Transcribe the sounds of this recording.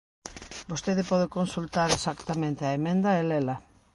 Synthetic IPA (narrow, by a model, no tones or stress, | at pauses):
bost̪eðɪpɔð̞ekonsult̪aɾesakt̪amẽnt̪ɪaemẽnd̪ɐelela